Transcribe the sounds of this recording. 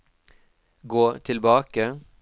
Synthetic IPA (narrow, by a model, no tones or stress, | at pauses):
ɡoːt̪ʰɪlbɑːkə